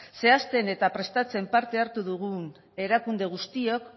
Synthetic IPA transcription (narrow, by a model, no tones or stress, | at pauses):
se̞ast̪e̞ne̞t̪apɾe̞st̪at͡se̞mpaɾt̪e̞aɾt̪uðuɣ̞un | e̞ɾakund̪e̞ɣ̞ust̪io̞k